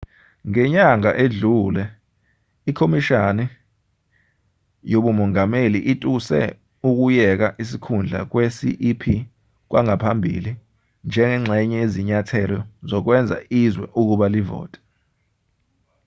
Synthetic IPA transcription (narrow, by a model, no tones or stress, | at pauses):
ŋɛɲaŋa̰ʔeɮulɛ | ikʰomiʃanɛ | joɓumɔŋameliʔitʼusɛ̰ | uk̬ujɛk̬aʔisikʰund͡ɮʱa̰k̬wesḭʔipʰi | k̬waŋapʰambʱḭli | nd͡ʒʱɛŋɛŋ͡ǁʱɛɲɛeziɲatʰɛlɔzɔk̬wɛnd͡zʱa̰izwɛ̰ʔuk̬uɓalivɔ̰ːtʼɛ̥